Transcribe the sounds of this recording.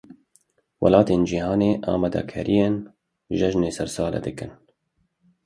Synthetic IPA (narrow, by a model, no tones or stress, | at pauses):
wɐ̰lɑːt̪eːnd͡ʒiːhɑːneːʔa̰ːmɑːd̪a̰kʰɛɾʔijeːn | ʒɛʒneːsɛɾsɑːlɛ̰d̪ɨkɨn